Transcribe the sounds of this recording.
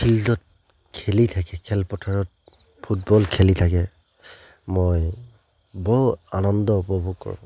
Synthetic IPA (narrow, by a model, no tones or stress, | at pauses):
ildɔt̚ | kʰelitʰakɛkʰɛlpɔtʰaɹɔt̚ | pʰut̚bɔlkʰelitʰakɛ | moj | bɔanɔndɔupɔbʱukkːɔ̰ɹ̰̃